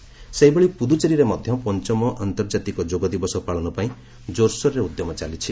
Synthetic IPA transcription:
seɦibeɭipud̪ut͡ʃeɾiɾemɔd̪ʱjɔpɔnt͡ʃɔmɔʔant̪ɔɾd͡ʒat̪ikɔd͡ʒoɡɔd̪ibɔsɔpaɭɔnɔpaĩ | d͡ʒoɾsɔɾːeud̪jɔmɔt͡ʃalit͡ʃʰi

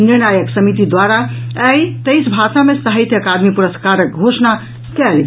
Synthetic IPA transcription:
niɾnajəksəmit̪id̪waɾaəjt̪əjsbʱasamesəɦəɪt̪əkad̪mipuɾəskaɾək̚ɡʱosna | kɛl

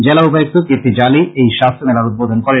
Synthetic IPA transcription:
d͡ʒɛlaupajok̚t̪ukiɾt̪id͡ʒaːliejʃast̪ʰɾmɛlaɾut̪̚boːd̪ʱonkɔɾe

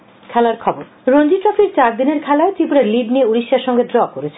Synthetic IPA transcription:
kʰɛlaɾkʰɔboɾ | ɾond͡ʑiʈɾɔfiɾt͡ɕaɾd̪ineɾkʰɛlaet̪ipuɾeɾliɖnieuɾiʃːaɾʃɔŋɡedɾɔkoɾet͡ɕʰe

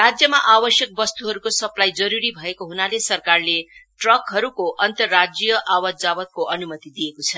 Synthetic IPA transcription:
rad͡zjʌmaʔabʌsjʌk̚bʌst̪uɦʌɾukosʌplajd͡zʌɾuɾibʱʌekoɦunalesʌrkarleʈrʌkɦʌɾukoʔʌnt̪ʌrːad͡zjʌʔawʌd͡zabʌt̪̚koʔʌnumʌt̪id̪iekot͡sʰʌ

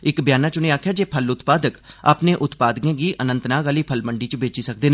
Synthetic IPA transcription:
ɪkbjaːnaːt͡ʃʊniaːkʰjaːd͡ʒeːpʰəlʊt̪paːd̪əka̰ːpnẽːʔʊt̪paːd̪kẽːkiːʔənə̃nt̪naːɡaliːpʰəlməɳɖiːt͡ʃbeːt͡ʃisək̚d̪eːnː

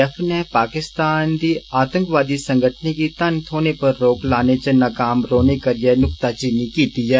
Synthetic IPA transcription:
ɛfʰnepaːkɪst̪aːnd̪iaːt̪ə̃ŋkʋaːd̪isɐ̃ŋɡʱəʈʰnikit̪ɐnt̪ʰoːnepɐɾːoːklaːnet͡ʃenakaːmɾoːnekəɾijenʊkt̪at͡ʃiːnikiːt̪iɛː

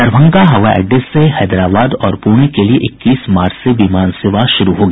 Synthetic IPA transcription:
ɐɾbʱə̃ŋkaɦɐʋaʔɛ̰ːɖesːeɦɛːd̪ɾaːbaːd̪ɔːɾpuːɽ̃ikelieʔɪkːiːsmaːɾt͡ʃseʋiːmaːnseːʋaʃʊɾuɦoːɡɐː

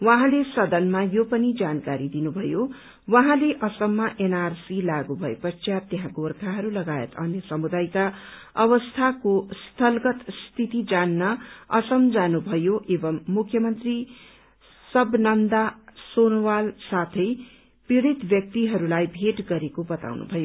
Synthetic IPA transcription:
wãɦãlesʌd̪ʌnmajopʌnid͡zankaɾid̪inubʱʌjo | waɦãleʔʌsʌmːaʔenarsilaɡubʱʌḛpʌt͡sjat̪jeɦãɡorkʰaɦʌɾulʌɡaḛt̪ʌnjʌsʌmud̪ajka | ʌβʌst̪ʰakost̪ʰʌlɡʌt̪st̪ʰit̪id͡zanːʌʌsʌmd͡zanubʱʌjoʔebʌmːukʰːjʌmʌnt̪ri | sʌbnʌnd̪asonwalsat̪ʰʌj | piɽit̪bjʌk̚t̪iɦʌɾulajbʱeʈɡʌɾekobʌt̪a̰wnṵbʱʌjo

